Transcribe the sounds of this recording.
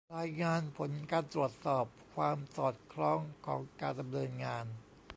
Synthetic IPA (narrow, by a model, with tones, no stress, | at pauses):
ɾaː˧jŋaː˧npʰo˩˦nkaː˧nt̪ɾu˨˩ət̪̚sɔː˨˩p̚kʰwaː˧msɔː˨˩t̪̚kʰɾɔː˧˥˩ŋkʰɔː˩˦ŋkaː˧nda˧mnɤː˧nŋaː˧n